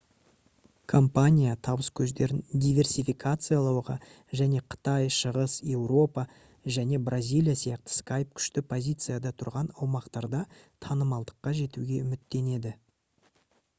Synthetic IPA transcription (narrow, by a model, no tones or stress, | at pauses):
kʰo̞mpanʲijat̪ʰɑbəskʲʰɵzd̪e̞ɾɪnd̪ijvʲe̞rsʲijfijkʰat̪sɨjalˠɑwʁɑ̰ | ʒæne̞qʰə̥t̪ɑjʃəʁəsje̞wɾo̞pɑ | ʒæne̞brʔazʲijlʲˠijasijɑq̚t̪ə̥skajp̚kʲʰʏ̥ʃt̪ɪpʰo̞zʲijt̪sɨjad̪ɑt̪ʰʊɾʁɑnɑwmɑqt̪ɑɾd̪ɑt̪ʰɑnəmɑlˠd̪əqːɑʒe̞t̪uɡʲe̞ʏmɪt̪ːe̞ne̞d̪ɪ